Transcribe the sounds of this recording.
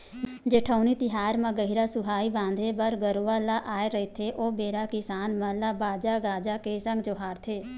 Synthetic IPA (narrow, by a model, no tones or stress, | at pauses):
d͡ʒeːʈʰaːniːt̪ɪɦaːɾmãɡəɦiɾaːsʊɦaːiːbãːnd̪ʱeːbəɾɡəɾuːʋaːlaːʔaːeɾəet̪ʰeːʔoːbeːɾaːkɪsaːnmãlaːbaːd͡ʒaːɡaːd͡ʒaːkesə̃ŋɡd͡ʒoːɦaːɾt̪ʰeː